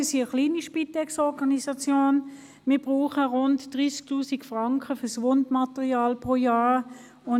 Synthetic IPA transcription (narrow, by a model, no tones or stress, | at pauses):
siəχliːniʃpitɛksɔʁɡɑnisɑt͡sjoːn | miːɐb̥ʁuːχəʁʊntd̥ʁiːsk̚tuːsikfʁɑŋkʰəfəsʋondmɑtɛʁiaːlpʁoːjaː | ʊn